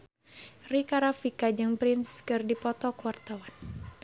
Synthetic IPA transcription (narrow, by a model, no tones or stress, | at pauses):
rikaɾafikad͡ʒɨŋpɾɪnskɨrdipɔt̪ɔkwart̪awan